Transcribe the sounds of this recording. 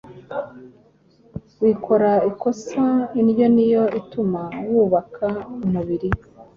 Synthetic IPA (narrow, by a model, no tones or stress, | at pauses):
wikʰo̞ɾaiko̞sainjo̞nijo̞itumawuːβakʰaumuβiɾi